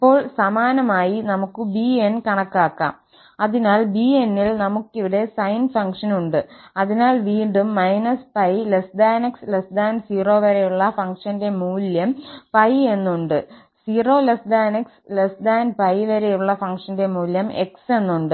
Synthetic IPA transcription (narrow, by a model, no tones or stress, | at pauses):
ipːo̞ːɭsɐmaːnɐmaːjinɐmukːɨbienkɐɳɐkːaːkːa̰ːm | ɐðinaːlbie̞nːilnɐmukːiʋɐɽe̞sɐjnfɐŋkʂɐnuɳɖɨɐðinaːlʋiːɳɖumːɐjnɐspɐjlesd̪aːnekslesd̪aːnsiːro̞ːʋɐɾejuɭːɐfɐŋkʂɐnde̞muːljɐmpɐje̞nːuɳɖɨ | siːro̞ːlesd̪aːnekslesd̪aːnpɐjʋɐɾejuɭːɐfɐŋkʂɐnde̞muːljɐme̞̰kse̞nːuɳɖɨ